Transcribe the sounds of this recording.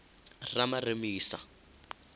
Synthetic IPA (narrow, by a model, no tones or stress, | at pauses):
ramaremiːsa̰